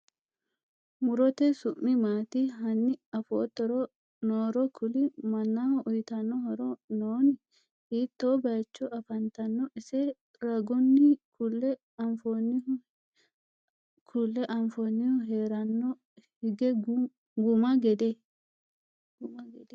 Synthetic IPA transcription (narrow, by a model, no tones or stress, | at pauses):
mʊɾɔt̪ɛsʊmːɪmaːt̪iɦɐnːɪɐfo̰ːt̪ːɔɾɔ | noːɾɔkʰʊlɪmɐnːaʊjt̪ɐnːɔhɔɾɔnoːnɪ | hiːt̪ːoːbɐjt͡ʃːɔʔɐfɐnt̪ɐnːɔʔɪsɛ | ɾɐɡɔnːɪkʊlːɛ | ɐmfonɪ | kʰʊlːɛʔɐɱfonːɪɔɦeːɾɐnːɔ | hɪɡɛɡ | ɡʊmɐɡɛd̪ɛ | d̪